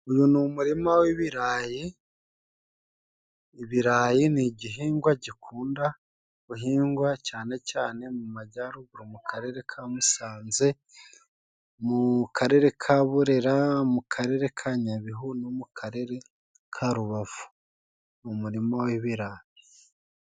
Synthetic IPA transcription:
ujunumuɾimawiβiɾaːji | βiɾaːjiniɟiɦiːŋɡwaɟikʰuːnda | βuɦiːŋɡwacaːne̞caːne̞mumaɟaɾuɡuɾomukʰaɾe̞ɾe̞kʰamusaːnze̞ | mukʰaɾe̞ɾe̞kʰaβuɾe̞ɾamukʰaɾe̞ɾe̞kʰaɲaβiɦunomukʰaɾe̞ɾe̞ | kʰaɾuβavu̥ | numuɾimawiβiɾaːji

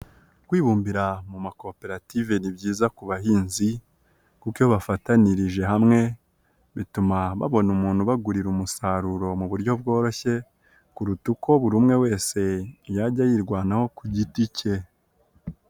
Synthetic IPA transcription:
ɡ̥wiːβuːmbiɾamumako̞pe̞ɾative̞nibɟiːzakuβaɦiːnzi | kukjoβafataniɾiʒe̞ɦamŋe̞ | βitumaβa̰βo̞numuːn̥huβaɡuɾiɾumusaɾuɾo̞muβuɾjo̞b̚ɡo̞ːɾo̞çe̞ | kuɾutukʰoβuɾuːmŋe̞we̞ːse̞jaɟajiːɾɡwaːnaho̞kuɟitice̞

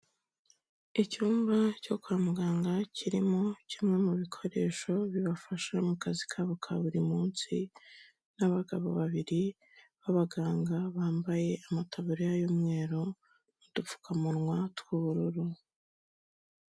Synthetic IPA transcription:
icuːmbaco̞kuaːmuɡaːŋɡacʰiɾimo̞cimŋe̞muβikʰo̞ɾe̞̰ːʃo̞βiβafaʃamukazikʰaβukʰa̰βuɾimuːnsi | naβaɡaβo̰βaβiɾi | βaβaɡaːŋɡaβaːmbaje̞amatʰaβuɾijajomŋe̞ːɾo | mudup͡fu̥kʰamuɾŋwatkuβuɾuɾu

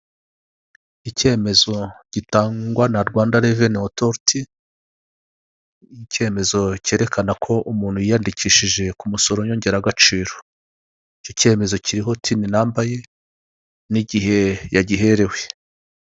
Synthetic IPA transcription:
ice̞ːme̞zo̞ɟ̥itaːŋɡwanaɾɡwaːndaɾevenotoɾti | ce̞me̞zo̞ce̞ːɾe̞kʰanakʰo̞ʔumuːnhujijandiciːʃiʒe̞kumuso̞ɾoɲo̞ɲɟe̞ɾaɡat͡ʃiːɾo | icoce̞ːme̞zo̞ciɾiɦo̞tʰininaːmbaje̞ | niɟiɦe̞jaɟiɦe̞ɾe̞we̞

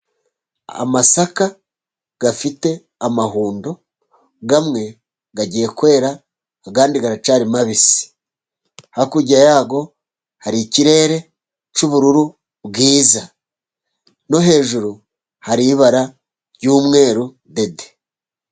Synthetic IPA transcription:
a̰masaka | ɡ̥afite̞ | amaɦuːndo̞ | ɡamŋe̞ | ɡaɟije̞kuwe̞ːɾaː | kaːndiɡaɾat͡ʃaːɾimaβisi̥ | hakuɟajaːɡo̞ | haɾiciɾe̞ːɾe̞ | t͡ʃuβuɾuɾu | bɡiːza | no̞ɦe̞ːʒuɾu | haɾiβaɾa | ɾɟuːmŋe̞ːɾu | de̞de

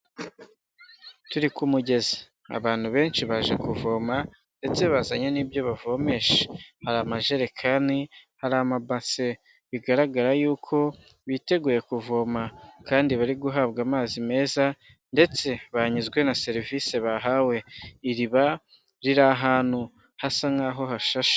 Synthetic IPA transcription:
tuɾikumuɟe̞ze̥ | a̰βaːn̥huβe̞ːnʃiβaʒekuvo̞ːma | nde̞t͡seβazaɲeniːbjo̞βavo̞me̞ʃe̥haɾamaʒe̞ɾekʰanihaɾamabase̞ | βiɡaɾaɡaɾajuːkʰo̞ | βite̞ɡuːje̞kuvo̞ːmakaːndiβaɾiɡuɦaβɡaːmaːzime̞ːza | nde̞t͡se̞βaɲizɡwe̞nase̞ɾiviːse̞βaɦawe̞iɾiβa | ɾiɾaɦaːn̥hu | hasaŋaːɦo̞ɦaʃaʃḁ

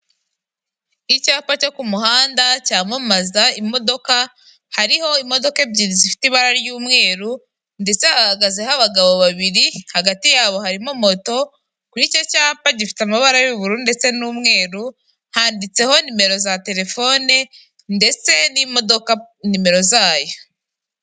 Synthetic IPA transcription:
icaːpaco̞kumuɦaːndacaːmamazaimo̞do̞ka | haɾiho̞imo̞do̞kebɟiɾizifi̥tiβaɾaɾjuːmŋe̞ːɾu | nde̞t͡se̞hahaɡaze̞haβaɡaβo̞βaβiɾihaɡatijaːβo̞haɾimomo̞to̞ | kuɾicocaːpaɟifi̥tamaβaɾajuβuɾundet͡se̞nuːmŋe̞ːɾu | haːndit͡se̞ho̞nime̞ɾo̞zate̞ɾe̞fo̞ne | nde̞t͡se̞nimodoka | nime̞ɾo̞zaːjo̞

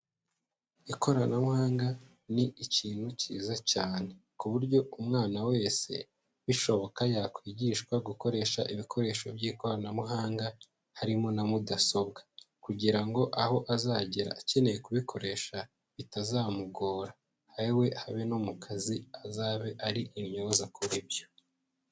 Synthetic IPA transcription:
iko̞ɾanamuhaːŋɡa | niiciːn̥huciːzacaːne̞kuβuɾɟo̞umŋaːnawe̞ːse̞̰ | βiʃo̞βo̞kajakwiːɟiːʃkwaɡuko̞ɾe̞ːʃa̰ʔiβikʰo̞ɾe̞ːʃobjiːko̞ɾanamuɦaːŋɡa | haɾimonamudaso̞b̚ɡḁ | kuɟiɾaŋɡo̞ʔaho̞ʔazaːɟiɾa̰ːce̞ne̞je̞kuβikʰo̞ɾe̞ʃa | βitazaːmuɡoːɾa | haɾiwe̞haβenomukʰaziazaːβe̞ʔaɾiʔimɲozakuɾibjo̥

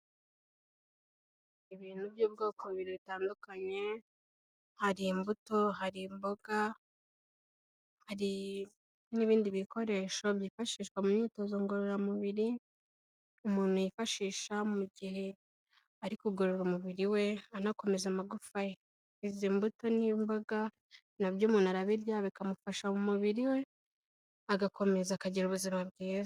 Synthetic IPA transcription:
iβiːn̥ubjoːbɡoːkoβiɾiβitaːndukaɲe̞ | haɾimbuto̞ɦaɾimbo̞ɡa | haɾi | niβiːndiβiko̞ɾe̞ːʃo̞βjiːfaʃiːʃkwamumɲiːto̞zoŋɡoɾoɾamuβiɾi | umuːn̥hujifaʃiːʃamuɟihe̞ | aɾikuɡoɾoɾumuβiɾiwe̞anako̞me̞zamaɡufaje | izimbuto̞nimbaɡa | naβjuːmuːnuaɾaβiɾjaβikamufaʃaumuβiɾiwe̞ | aɡako̞me̞zakaɟiɾuβuzimab̚ɡiːz

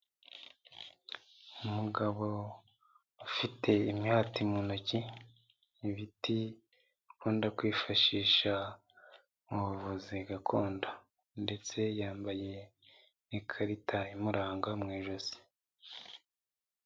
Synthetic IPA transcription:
umuɡaβo̞ | afitʰe̞imɲaːtimunociː | βiti | kʰuːndakwiːfaʃiːʃa | uβuβoziɡakʰo̞ːnda | nde̞t͡se̞jaːmbaje̞ | ikʰaɾitʰaimuɾaːŋɡamŋeːʒozi̥

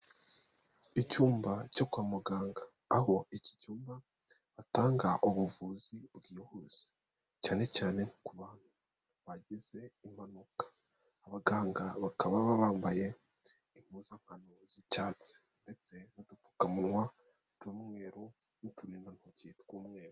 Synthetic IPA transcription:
icuːmbaco̞kwaːmuɡaːŋɡaː | ɦo̞ici̥cuːmba | βataːŋɡaʔoβuvuːzibɡiːhuz̥i̥ | caːne̞caːne̞nikuβaːn̥hu | βaɟize̞im̥anukḁː | βaɡaːŋɡaβakaβaβaβaːmbaje̞ | iŋ̥uːzaŋ̥hanozicaːt͡se̥ | nde̞t͡se̞βadufu̥kamunwa | twuːmŋwe̞ːɾo | nituɾiːndanhocitkuːmŋe̞ːɾo

